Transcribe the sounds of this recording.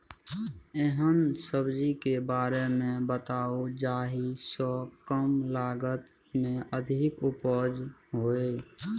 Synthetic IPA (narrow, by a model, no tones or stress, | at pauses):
eɦənsəbd͡ʒikebaːɾemẽbət̪aːod͡ʒaːɦisɔkəmlaːɡət̪ | mẽʔəd̪ʱɪkʊpɔd͡ʒɦoːe